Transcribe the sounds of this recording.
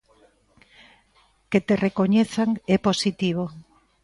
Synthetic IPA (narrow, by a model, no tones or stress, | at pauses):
ket̪erekoɲeθaŋɛposit̪iβ̞o